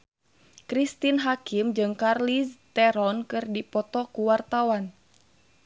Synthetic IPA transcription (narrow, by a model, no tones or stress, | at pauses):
kɾist̪inɦakimd͡ʒɨŋkarlist̪ɛɾɔnkɨrdipɔt̪ɔkuwart̪awan